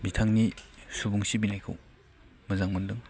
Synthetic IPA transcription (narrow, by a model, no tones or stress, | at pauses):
bitʰaŋnisubuŋsibinajkʰɯ̰w | mɐzaŋmɯndɯŋ